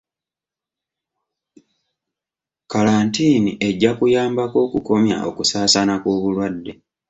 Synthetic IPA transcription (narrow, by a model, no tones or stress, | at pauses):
kalaːntiːniʔe̞ɟːakujaːmbako̞ːkuko̞mja̰ʔo̞̰kusaːsanakoːβulwadːe̞